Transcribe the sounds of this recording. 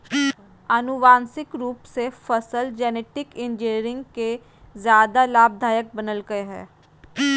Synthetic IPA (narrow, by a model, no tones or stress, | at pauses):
ənʊʋaːnsɪkɾuːpsefʰəsəld͡ʒɛːneːʈɪkɪnd͡ʒɪniɾɪ̃ŋɡke | zjaːd̪alaːb̚d̪ʱaːjək̚bənəlɡəeɦɛ̰ː